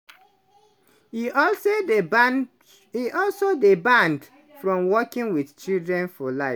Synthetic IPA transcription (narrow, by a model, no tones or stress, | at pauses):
so | iʔɔlsodebãnd | fɹɔ̃mwɔkĩŋwiθt͡ʃildɹɛ̃nfɔlaɪf